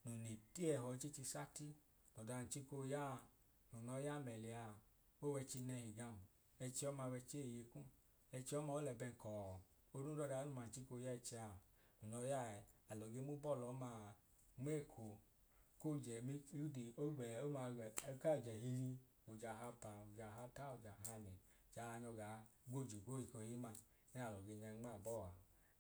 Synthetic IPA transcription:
nu˨ni˨ti˦ɛ˧˨ɦɔ˨˧t͡ʃi˦t͡ʃi˧sa˦ti˦ | nɔ˨da˧˨n̩˨t͡ʃi˦ko˧ja˦˨ | nu˨nɔ˧˦ja˦˨mɛ˨li˨a˧˨ | o˦wɛ˧t͡ʃi˧nɛ˧hi˨ɡa˧˨m˨ | ɛ˧t͡ʃi˧ɔ˦ma˧wɛ˧t͡ʃe˦˨je˧kũ˦ | ɛ˧t͡ʃi˧˦ɔ˦ma˧o˦lɛ˧˨bɛ˧ŋ˨kɔ˨ | o˧˦ɾu˦dɔ˧˨da˧˦nu˧˨ma˨t͡ʃi˦ko˧˦ja˦ɛ˧t͡ʃi˧a˧ | nu˨nɔ˧˦ja˦˨ɛ˨a˨lɔ˨ɡe˧˦mu˦bɔ˦˨lɔ˨˦ma˧˨ | ŋ͡me˦˨kʰo˨ | ko˦˨d͡ʒɛ˨mi˦u˦di˨o˦ɡɛ˨o˦ma˧˨˦ka˦o˨d͡ʒɛ˨ɦi˧ɾi˧ | u˨d͡ʒa˨ɦa˧pa˨u˨d͡ʒa˨ɦa˧ta˦u˨d͡ʒa˨ɦa˧ne˨ | d͡ʒa˨˦a˧nɔ˧ɡa˨ɡ͡bo˦˨d͡ʒi˨ko˦i˨ko˧˨˦i˦ma˧ | nɛ˦a˨lɔ˨ɡe˧˨ɲa˧˦ŋ͡ma˦˨bɔ˦˨wa˨

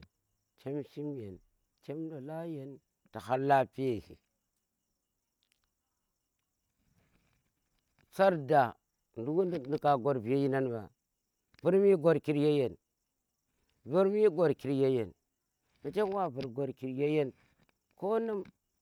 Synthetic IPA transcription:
t͡ʃe˦mʃi˦m˦je˨n | t͡ʃe˦mdo˨la˦je˨n | ta˨ha˦lːa˦pi˦je˨hḭ˨ | t͡sa˦ɾda˨ | ndu˦wu˦n˨ni˨ka˨ɡo˨ɾbi˨je˦ji˦na˦nba̰˨ | bu˦ɾmi˦ɡo˨ɾki˨ɾje˦je˨n | bu˦ɾmi˦ɡo˨ɾki˨ɾje˦je˨n | ma˨t͡ʃe˦wa˦bu˨ɾɡo˨ɾki˨ɾje˦je˦n | ko˦nu˦m

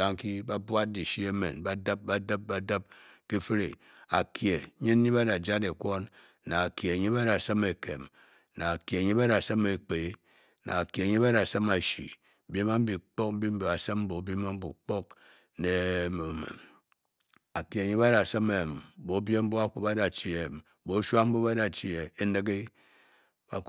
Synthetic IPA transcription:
a˦ŋ˦ki˦ba˦bʷa˦t̚di˨ʃi˦e˦mḛ˨nba˦da˦p̚ba˦də˦p̚ba˦da˦p̚ki˦fi˦ɾḭ˨ | a̰˨kʰje˨˦ɲi˦ɲi˦ba˦a˨d͡ʒa˦de˨kʷo˦n | na˨a˨kje˨ɲi˦ba˦ɾa˨sə˦me˨ke˨m | na˨a˨kje˨ɲi˦ba˦ɾa˨sa˦me˨k͡pe˨˦ | na̰˨a˨kje˨ɲi˦ba˦ɾa˨sa˦ma˨ʃḭ˨ | be˦ma˦m̩˦bi˨k͡po˦k̚m̩˦bi˦m̩˦bi˨a˨sɨ˦m˦bo˨˦be˦ma˦m̩˦bṵ˨k͡po˦k̚ | ne˨˦m˨me˨ | a˨kje˨ɲi˦ba˦da˨sɨ˦me˨m˨bo˨˦bje˦m̩˦bo˦a˦k͡pu˦a˦da˨t͡ʃi˨e˨m˦bo˨˦ʃʷa˦km̩˦bo˦ba˦da˨t͡ʃi˨e˨e˦nɨ˦ɡi˦ | ba˨

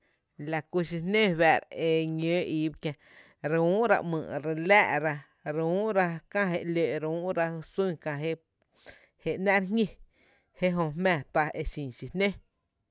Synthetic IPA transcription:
la˨ku˧ʃi˧nẽ˦˨βɛ˨ɾe˧ɲø̃ː˨˦ʔiː˨˦bkʲjã˧ | ɾũː˦ɾa̰˧ʔmɨ̰̃ː˧˨ɾe˧læː˦˨ʔɾa˧ | ɾũː˦ɾa˧kã˧ɦe˧˨ʔlø˨ʔɾũː˦ʔɾa˧hsũ˦˨kã˧ɦe˦ | he˨ʔnɛ̃˦ʔɾɦŋɲʲĩ˧ | he˦ʔɦõ˧hmɛ̃ː˧˨t̪a˧ʔe˧ʃĩː˨ʃi˧nẽ˦

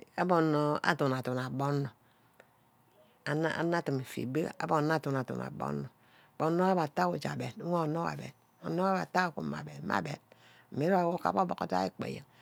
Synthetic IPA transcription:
a˦bo˨nːo˦a̰˨tu˨n˨a˨tu˨na˨bo˦nːo˨ | a˨˦n˦a̰˨˦na˦ti˨mi˨fḭ˨be˦˨a̰˨˦bo˨n˦a˦tu˨na˨tṵ˨na̰˨bo̰˦nːo˨ | bo˨nːo˦a˦ba˨ta˦wu˨d͡ʒa̰˨be˨nu˦o˦˨no˦wa̰˨bḛ˨n̰˨ | no˦ba˨ta˦˨ku˨ma˨be˨˦ma̰˨be˨n | m̩˨me˦ɾo˦a˨wo˦ka̰˨bo˦bo̰˨ko˦ta̰˦i˦k͡pḛ˨jḛ˨ŋ

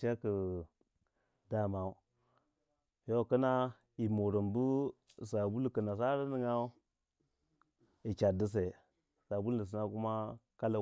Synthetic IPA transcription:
t͡ʃa˦kə˨ | da˦ma˨u˦ | jo˦˨kə˦na˦ | i˨mo˨ɾə˨mbu˦˨ | sa˨bu˦lkə˨na˨s̬a˦ɾə˦ni˦ŋa˦u˦ | i˨t͡ʃa˨də˦s̬e˨ | sa˨bu˦lnə˨s̬i˨na˦ku˦ma˦ka˦la˨

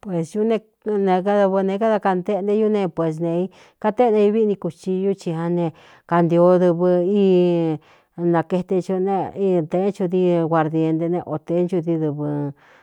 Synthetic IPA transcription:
pwe˨sju˦nẽ˧ | nẽ˧ka˦ða˧βɨ˧nẽ˧ka˦ða˧ka˧nd̪e˦˧nd̪e˧˦ju˦nẽ˧pwe˨s̬nẽ˧i˦ | ka˦t̪e˦˧nẽ˧i˧βi˦˧nĩ˧ku˧t͡ʃi˧ju˦t͡ʃi˧hã˧nẽ˧ | ka˧nd̪jo˧˦ðɨ˧βɨ˧i˦˧ | nã˨˧ke˧t̪e˧t͡ʃu˧nẽ˦˧i˦˧t̪e˧˦t͡ʃu˧t̪i˧ɣʷa˧ɾðje˧nd̪e˧nẽ˧ʔo˧t̪e˧˦nt͡ʃu˧t̪i˧ðɨ˧βɨ˧

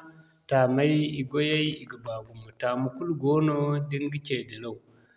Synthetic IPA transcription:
ta˨ma˦ji˨ɡo˦ja˦i˦i˨ɡə˨ba˨ɡu˨mu˨ta˨mu˦ku˦lɡo˦no˦di˦ŋ˦ɡi˦ke˨də˨la˦u˨

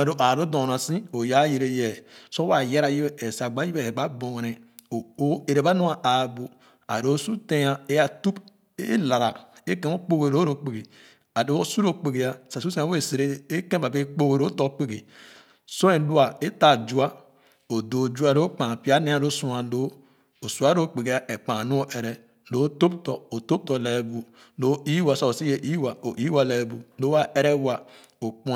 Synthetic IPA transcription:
a˨ɾo˨ʔa˨ɾo˦do˨a˨sĩ˦o˨ja˦je˨ɾe˦jɛ˨so˦wa˨je˦ɾa˨ji˦be˦e˨sa˨ɡ͡ba˦i˦be˦˨ba˦bo˨ŋ˨ne˨o˦e˨ɾe˨ba˦nu˦a˨a˨bo˨ | a̰˨ɾo˦su˦tẽ˦a˦e˦ja˨tu˦p | e˦la˨ɾa˨ke˦kẽ˦mo˦k͡po˦ɡe˨ɾo˦ɾo˨k͡pe˨ɡe˨ | a˨do˦o˦su˦ɾo˦k͡pe˨ɡe˨ja˨sa˨su˦sẽ˦a˦e˦˨se˨ɾe˦e˦ke˦ba˨be˦k͡po˦ɡe˨ɾo˦to˦k͡pe˨ɡe˨ | so˦e˨˦lu˦a˨e˦ta˨d͡ʒu˦a˦ | o˨do˨d͡ʒu˦a˦ɾo˦k͡pã˨pi˦a˦ne˦a˦˨ɾo˦su˦a˨lo˦ | o˨su˨a˨˦ɾo˦k͡pe˨ɡe˨˦a˦ʔe˨k͡pã˨nu˦o˦ʔe˨ɾɛ˦ | lo˨˦to˦p̚tɔ˨o˨to˦p̚to˨le˨bu˨ | lo˦i˦wa˨so˦o˨si˦je˨ʔi˦wa˨o˨ʔi˦wa˨le˨bu˨lo˦a˦e˦ɾe˦wa˨ | o˨k͡pu˦

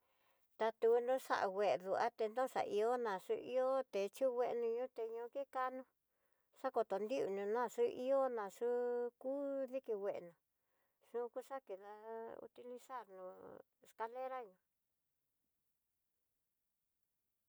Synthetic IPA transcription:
t̪a˧t̪u˧nõ˦ʂa̰˦ʔa̰˧wʷe˨˧ðu˨ʔa̰˦t̪e˧nd̪õ˦ʂa̰˨ʔi˧o˦nã˨ʂṵ˧˦ʔḭ˦o˦t̪e˨t͡ʃu˦wʷe˦ʔnũ˧ɲũ˦t̪e˧ɲũ˧ki˦ka˦nũ˧ | ʂa˦ko˧t̪o˨nd̪i˦u˧˨nũ˧nã˦˧˨ʂu˦ʔi˦o˦nã˨˧ʂu˦kuː˦ði˦ki˧we˨ʔnũ˨ | ʂũ˦ku˦ʂa˦ki˧ða˧ṵ˧t̪i˧li˧sa˦˨ɾnũ˧ | e˧ska˧le˦ɾa˦ɲũ˧

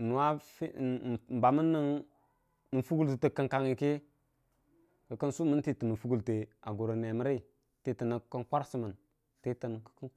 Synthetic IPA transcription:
nu˨wa˦fm̩˨ba˨mə˦nːə˦ŋ | nə˨fu˦ɡu˦ltə˨tə˨kə˦ŋka˨ŋi˨ki˦ | kə˨kə˦nsu˦mə˦nti˦˨tə˨nə˨fu˦ɡu˦lte˨a˨ɡo˨ɾə˨ne˨mə˦ɾi˦˨ | ti˦tə˨nə˨kə˦nkʷa˦ɾsi˦mə˨n | ti˦tə˨n˨kə̥˦kə˦

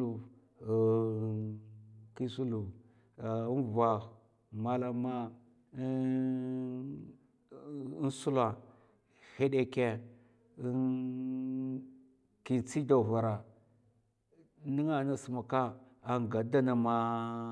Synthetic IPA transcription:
u˨ | ki˦su˦lu˨ | i˦nva˨x | ma˦la˨ma˦ | n˦su˦la˨ | he˦ɗe˨ke˦ | ki˨nt͡si˦da˨va˨ɾa˨ | ni˦ŋa˦˨na˨su˨ma˨ka˦ | a˨ŋ˨ɡa˨da˦na˨ma˦

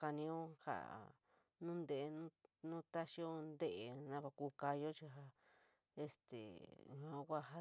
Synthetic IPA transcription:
ka˧nĩ˧o˦ha̰˨ | nũ˦nd̪e˧˨˧nũ˦nũ˦t̪a˦ʃi˦o˦nd̪e˦ʔe˧nã˧βʷa˧ku˧ka˧jo˦t͡ʃi˧ɦa˧ | e˧st̪ḛ˨ɲ˨ã˧˦kʷa˦˧ɦa˦

